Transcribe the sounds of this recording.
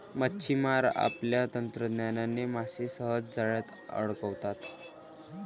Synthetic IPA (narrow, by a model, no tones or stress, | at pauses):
mətːɕʰimaɾa̰pljat̪ənt̪ɾəd̪njananːemaɕisəɦəd͡zd͡zaɭjat̪ | ə̰ɽkəwt̪at̪